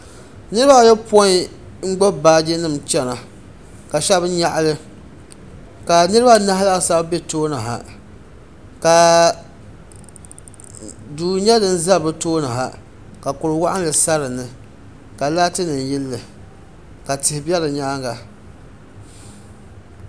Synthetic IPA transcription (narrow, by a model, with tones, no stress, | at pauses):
nɨ˦ɾɨ˦ba˦˨jɛ˦pɔ˦ | ŋ͡m̩˦ɡ͡bɔ˦baː˦d͡ʒɪ˦nɨ˦˨mt͡ʃɛ˦na˨ | ka˨ʃɛ˦bɲa˦˨ʔa˦lɨ˦ | ka˨nɨ˦ɾɨ˦ba˦na˦ɦla˦˨sa˦bbe˦toː˦nɨ˨ɦa̰˨ | ka˨ | duː˨ɲɛ˦dɨ˦n̩˦za˦bɨ˦toː˦nɨ˨ɦa̰˨ | ka˨kʊ˨ɾɨ˨wa˦ʔa˦n˦lɨ˨sa˦ɾɨ˨nɨ˨ | ka˨laː˦tɨ˦nɨ˨n˨jɪ˦lːɨ˨ | ka˨tɪ˨hɪ˨bɛ˦lɨ˨ɲaː˦ɡa˨